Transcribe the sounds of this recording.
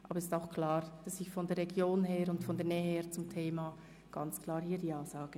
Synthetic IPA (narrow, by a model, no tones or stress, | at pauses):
ʔɑːbəɾɛstaʊxkʰl̥aːɾd̥ɑsɪçfɔndɛːɐʁeɡjoːnɦeːɾʊntfɔndɛːɐnɛːəheːɐt͡sʊmtʰeːma | ɡ̥ɑnt͡skʰl̥aːɾhiːɐdiːaʊsaːɡ̥ə